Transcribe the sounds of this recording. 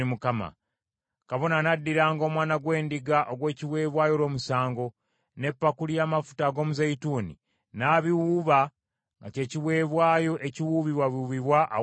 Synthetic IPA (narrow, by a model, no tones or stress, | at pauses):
imukama̰ | kaβo̞nanadːiɾaːŋɡo̞mwaːnaɡwe̞ːndiɡaʔoɡwe̞ːciβwe̞ːβwaːjo̞lwoːmusaːŋɡo̞ | ne̞pːakulijaːmafu̥taɡo̞ːmuzaituːnḭ | naːβiwuβa | ŋɡace̞ːciβwe̞ːβwaːjo̞ʔe̞ciwuβiβwaβiuβiβwaʔː